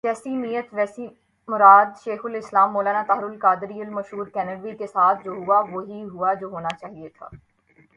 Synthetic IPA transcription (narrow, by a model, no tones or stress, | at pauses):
d͡ʒɛːsiːnijət̪ʋɛːsiː | mʊɾaːd̪ʃeːxʊlɪslaːmːoːlaːnaːt̪aɦɾʊlkaːd̪ɾiːəlməʃɦuːɾkɛːnəɖʋiːkesaːt̪ʰd͡ʒoːɦʊaːʋoɦiːɦʊaːd͡ʒoːɦoːnaːt͡ʃaːɦiet̪ʰa̰ː